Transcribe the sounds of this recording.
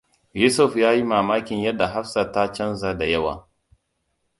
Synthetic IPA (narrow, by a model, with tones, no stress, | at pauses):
juː˦sʊ˦˨ɸjaː˦ji˦maː˨maː˦kʲɪ˨ɲjɐ˦dːa˨ɦa˦ɸsa˨ta˦t͡ʃɐ˦nzaː˦da˨jɐ˦wa̰ː˨